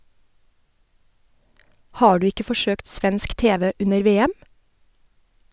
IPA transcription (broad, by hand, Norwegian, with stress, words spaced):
ˈhɑː ˈɖʉː ˈɪkə fɔˈʃøːkt ˈsʋɛnsk ˈteːʋɛ ˈʉnəɾ ˈʋeːɛm